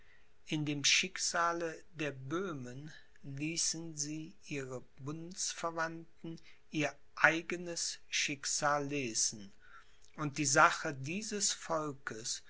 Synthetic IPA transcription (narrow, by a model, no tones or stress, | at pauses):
ʔɪndeːmʃɪkz̥aːlədeːɐbøːmən | liːsnziːʔiːʁə | bʊnsfɛɐvantn̩ | ʔiːɐ | ʔaɪɡənəsʃɪkz̥aːlːeːzn̩ | ʔʊnt̚d̥iːzaχədiːzəsfɔlkəs